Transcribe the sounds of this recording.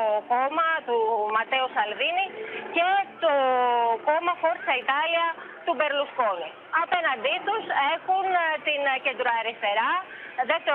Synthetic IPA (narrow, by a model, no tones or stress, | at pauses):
oko̞mɐt̪umɐt̪e̞usɐlvinice̞t̪oko̞mɐxo̞ɾsɐit̪ɐliɐ | t̪ube̞ɾlusko̞ni | ɐpe̞nɐnd̪it̪use̞xunt̪ince̞nd̪ɾoɐɾist̪e̞ɾɐ | ðeft̪e